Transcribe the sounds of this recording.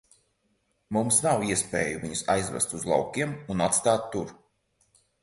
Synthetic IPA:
mumsnawiɛspʲḛːjuviɲusa̰jzvɛ̰st̪uzlˠa̰wkʲiɛmunat̪st̪aːt̪ːuɾ

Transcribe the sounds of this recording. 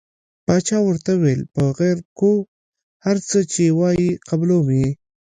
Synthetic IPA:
pɑt͡ʃɑwəɾt̪awelpəɣeɾko | haɾt͡sət͡ʃewɑjiqablowi

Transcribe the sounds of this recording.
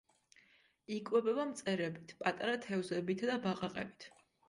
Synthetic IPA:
ikʼwɛbɛbamt̪sʼɛɾɛbit̪ʰpʼat̪ʼaɾat̪ʰɛvzɛbit̪ʰd̪abaqʼaqʼɛbit̪ʰ

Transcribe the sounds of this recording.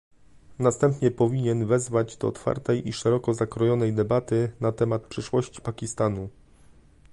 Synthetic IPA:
nast̪ɛmpɲɛpɔvʲiɲɛnvɛzvad͡ʑd̪ɔɔt̪fa̰ɾt̪ɛjʔiʂɛɾɔkɔzakɾɔjɔnɛjd̪ɛbat̪ɘnat̪ɛmat̪̚pʂɘʂwɔɕt͡ɕi̥pakʲist̪anu

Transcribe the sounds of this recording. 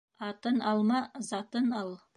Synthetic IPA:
ɑt̪ənɑlˠmɑzɑt̪ənɑlˠ

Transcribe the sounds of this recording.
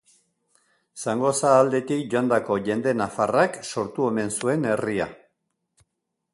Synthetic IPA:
saŋɡo̞saːld̪e̞t̪ikʝoand̪ako̞ʝe̞nd̪e̞nafarakso̞ɾt̪uo̞me̞nsue̞ne̞ria̰

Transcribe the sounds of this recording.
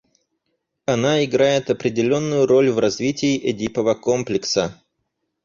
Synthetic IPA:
ɐnaɪɡɾajɪt̪ɐpɾʲɪdʲɪlʲo̞nːʊjʊɾo̞lʲvrɐzvʲitʲɪːʔɛdʲipəvəko̞mplʲɪksə

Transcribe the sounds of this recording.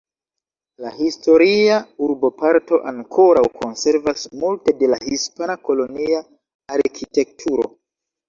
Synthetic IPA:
lahisto̞ɾiauɾbo̞paɾto̞ʔaŋkʰo̞ɾawkʰo̞nse̞ɾvasmulte̞de̞lahispanako̞lo̞niaː | ɾkʰite̞k̚tʰuɾo̰

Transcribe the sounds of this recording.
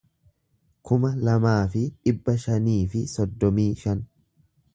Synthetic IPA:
kʊmɐlɐmaːfɪᶑɪbːɐʃɐniːfɪsɔd̪ːɔmiːʃɐn

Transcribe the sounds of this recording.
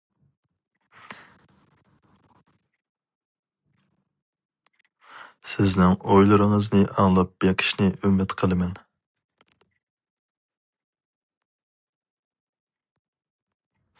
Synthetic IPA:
sɪznɪŋojlˠɨɾɨŋəznɨʔɑŋlˠɑp̚b̥eqʰə̥ʃnɪʔymɪt̪qʰəlˠɨmɛn

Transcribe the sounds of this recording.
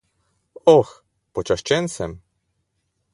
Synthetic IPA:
ɔx | pɔt͡ʃaʃt͡ʃɛnsɛm

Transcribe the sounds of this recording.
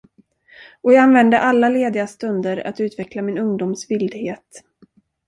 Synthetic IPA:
ɔjɑːɡanvɛnd̪əʔalːaleːd̪ɪɡast̪ɵnd̪əɾa̰t̪ʉ̟ːt̪vɛklamɪnɵŋd̪uːmsvɪld̪heːt̪

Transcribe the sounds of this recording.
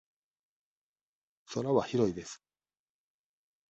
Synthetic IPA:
so̞ɾaβaçiɾo̞id̪e̞sɨ̥

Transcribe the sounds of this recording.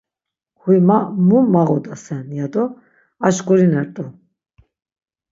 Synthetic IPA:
hujmamumːaʁɔd̪asɛnjad̪ɔ | aʃkʼuɾinɛɾt̪ʼɔ

